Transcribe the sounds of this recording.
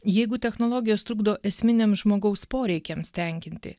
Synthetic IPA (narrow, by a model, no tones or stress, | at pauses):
jɛɪɡʊt̪ʲɛxnolˠɔːɡʲɪjoːst̪ɾʊːɡd̪oːʔɛsʲmʲɪnʲemʒmoːɡɐʊspoːɾʲɛɪkʲɛmsʲt̪ʲɛŋʲkʲɪnʲt̪ʲɪ̰